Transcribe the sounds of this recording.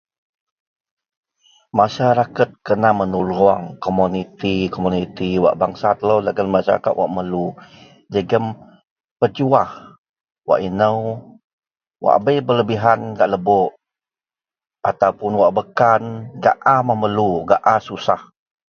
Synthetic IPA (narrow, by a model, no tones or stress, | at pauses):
maʃaɾakat̪̚kənamənuluaŋkomunit̪ikomunit̪iwa̰ʔbaŋsat̪ələwləɡənmaʃa̰ɾa̰ka̰t̪wa̰ʔməlu | d͡ʒəɡəm | pəd͡ʒuah | wa̰ʔinəw | wa̰ʔbəjbələbiɦanɡaʔləbɔʔ | at̪awpʊnwaʔbəkanɡa̰ʔamahməluɡaʔasusah